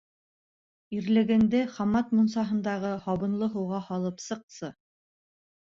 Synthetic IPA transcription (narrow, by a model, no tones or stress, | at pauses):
iɾlɘ̆ɡɘ̆nd̪ɘχɑmɑt̪munsɑɦɤ̆nd̪ɑʁɤhɑβɤ̆nlˠɤɦɤ̆wʁɑhɑlˠɤpsɤ̆q̚sɤ